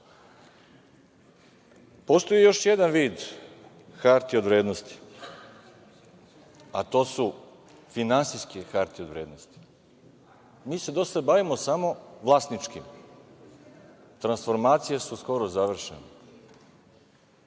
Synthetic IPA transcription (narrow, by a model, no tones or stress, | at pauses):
po̞st̪o̞jijo̞ʃjed̪anʋiːd̪ | xaɾt̪io̞d̪ʋɾe̞ːd̪nost̪i̥ | at̪o̞ːsu | finansijskexaɾt̪io̞d̪ʋɾeːd̪nost̪i̥ | miːse̞d̪o̞sad̪baʋimosamo̞ʋlˠaːst̪nit͡ʃkim | t̪ɾansfo̞ɾmaːt̪sijesusko̞ɾozaʋr̩ʃḛne